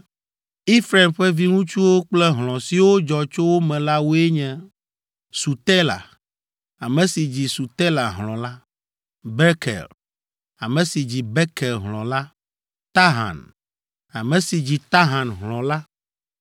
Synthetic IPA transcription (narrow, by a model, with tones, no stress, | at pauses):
i˦fɾe˨mɸɛ˦vi˦ŋũ˦t͡ʃu˦wo˦k͡plɛ˦ɦlɔ̃˨si˨wo˦d͡ʒɔ˨t͡ʃo˦wo˦mɛ̃˨la˦wo˦e˦ɲɛ̃˨ | su˨t̪ɛ˦la̰˨ | a˨mɛ̃˨si˨d͡ʑi˨su˨t̪ɛ˦la˨ɦlɔ̃˨la˦ | bɛ˦kɛ̰˨l | a˨mɛ̃˨si˨d͡ʑi˨bɛ˦kɛ˨lɦlɔ̰̃˨la˦ | t̪a˦ɦã̰˨n | a˨mɛ̃˨si˨d͡ʑi˨t̪a˦ɦã˨nɦlɔ̃˨la˦